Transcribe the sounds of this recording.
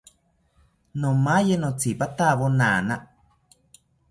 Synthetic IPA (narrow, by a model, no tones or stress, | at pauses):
nõmajenõt͡sipat̪aβonaːnaʔ